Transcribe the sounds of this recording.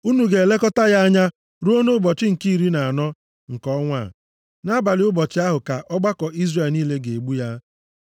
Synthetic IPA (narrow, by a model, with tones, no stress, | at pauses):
u˦nu˨ɡe˨le˦kɔ˦ta˦ja˦a˦ɲa˦ | ɾu˦o˦no˦bɔ˨t͡ʃɪ˦ŋ̩˨ki˦i˨ɾi˦na˨a˨nɔ˦ | ŋ̩˨kɔ˦ŋʷa̰˦˨ | na˦ba˨lɪ˦ʊ˦bɔ˨t͡ʃɪ˦a˦ɦʊ˨ka˨ʔɔ˦ɡ͡ba˦kɔ˨i˦zre˨niː˦le˦ɡe˨e˨ɡ͡bu˦ja˦